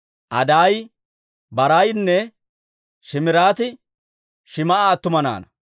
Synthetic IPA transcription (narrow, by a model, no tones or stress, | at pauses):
ʔɐ̰d̪aːj | bɐɾajnːɛ | ʃɪmɪɾaːt̪ɪ | ʃɪmɐʔaːt̪ːʊmɐna̰ːnɐ